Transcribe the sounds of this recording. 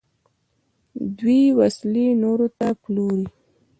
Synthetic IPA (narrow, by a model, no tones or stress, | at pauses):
d̪wiwaslinoɾot̪aploɾi